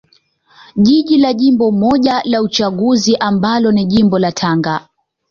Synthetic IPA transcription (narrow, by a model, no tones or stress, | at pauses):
ʄiʄilaʄimbɔmɔʄalaut͡ʃaɠuziʔambalɔniʄimbɔlatʰaŋɡa